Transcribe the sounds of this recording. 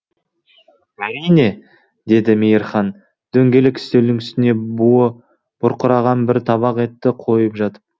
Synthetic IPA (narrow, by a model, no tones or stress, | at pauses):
æɾijne̞ | d̪e̞d̪ɪmijəɾχɑn | d̪̥ɵŋɡʲe̞lɪkʲʰɪ̥st̪ewd̪ɪŋɪst̪ɪne̞b | b̥ʊɾqʊɾɑʁɑnbɪɾt̪ʰɑβɑqe̞t̪ːɪqʰo̞jəpʒɑt̪ə̥p̚